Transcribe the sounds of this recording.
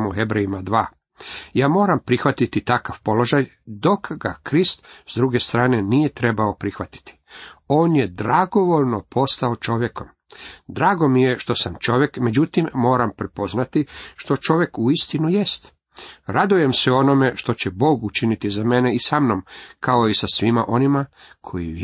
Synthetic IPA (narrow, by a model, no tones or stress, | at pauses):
muhebɾejimad̪ʋaː | jaːmo̞ːɾampɾixʋat̪it̪it̪akaʋpo̞lˠo̞ʒaj | d̪o̞kɡakɾist̪z̥d̪ɾuɡe̞st̪ɾaːne̞nijet̪ɾe̞baopɾixʋat̪i̥t̪i̥o̞ːnje̞d̪ɾaɡo̞ʋo̞ʎno̞pʰo̞st̪aot͡ʃo̞ʋje̞ko̞m | d̪ɾaːɡo̞mije̞ʃt̪o̞samt͡ʃo̞ʋje̞kme̞d͡ʑut̪imːo̞ːɾampɾepo̞znat̪iʃt̪o̞t͡ʃo̞ʋje̞kuist̪inujest̪ | ɾad̪uje̞mseo̞no̞me̞ʃt̪o̞t͡ɕebo̞ːɡut͡ʃinit̪izameneisamno̞mkʰao̞isasʋima̰ʔo̞nimakʰo̰ḭʋ